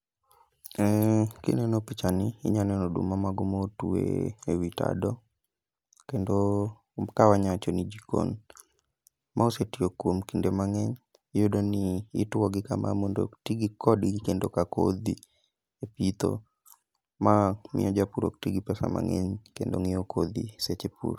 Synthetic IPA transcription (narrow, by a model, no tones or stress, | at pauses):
ɛkḭnɛnɔpit͡ʃaniiɲanɛnɔdṵmamaɡomotuḛewita̰dɔ | kendo | kawaɲat͡ʃɔnid͡ʒiko̰n | mʔaosetiokwomkindemaŋɛɲ | jodoniːtwɔɡɪkamʔa̰mondo̰tiɡikɔdikendokako̰d̪i | epit̪o̰ | mamḭɔd͡ʒapuɾo̰k̚tiɡipɛsa̰ma̰ŋɛɲkendo̰ŋiokʰod̪ḭset͡ʃepṵɾ